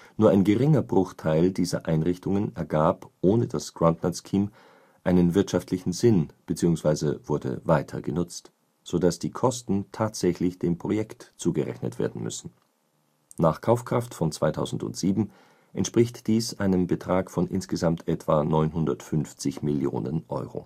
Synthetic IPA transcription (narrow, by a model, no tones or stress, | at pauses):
nuːɐʔaɪnɡəʁɪŋɐbʁʊχtʰaɪldiːzɐ̰ʔaɪnʁɪçtʊŋənɛɐɡaːpʔoːnədasɡ̥ʁantnaskʰiːm | ʔaɪnənvɪɐtʃaftʰlɪçn̩zɪnb̥ət͡siːʊŋsv̥aɪzəvʊɐdə̰vaɪtʰɐ̰ɡənʊt͡st | z̥oːdasd̥iːkʰɔstn̩tʰaːtz̥ɛçlɪçd̥eːmpʁ̥ojɛktt͡suːɡəʁɛ̰çnə̰tv̥ḛːɐdn̩mʏ̰sn̩ | naːχkʰaʊfkʁ̥aftfɔnt͡sv̥aɪtʰaʊzn̩dʊ̰ntz̥iːbm̩ | ʔɛ̰ntʃpʁ̥ɪçtd̥iːsʔaɪnənbətʁ̥aːkfɔnʔɪ̰nsɡ̥əzamtʔɛtv̥aːnɔʏnɦʊndɐtfʏnft͡sɪçmɪljo̰ːnə̰nʔɔ̰ʏʁo̰